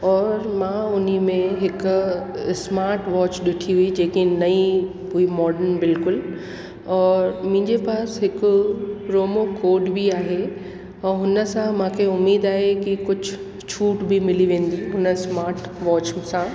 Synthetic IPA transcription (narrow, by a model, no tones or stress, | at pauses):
ɔːɾmãːʊnimẽɦɪkʊsmaːɾʈʋɔːt͡ɕɗɪʈʰiɦid͡ʑeːkinɐĩ | puimɔːɖənbɪlkʊl | ɔːɾmʊ̃ɦɪ̃ɲd͡ʑepaːsɦɪkʊ̆ɾoːmokoːɖbiaːɦẽ | ɦʊnə̆sãmãːkʰeʊmːiːd̪aːɦekikʊd͡ʑʱʊ | t͡ɕʰuːʈbɪmɪliʋẽːn̆d̪iɦʊnəsmaːɾʈʋɔːt͡ɕsã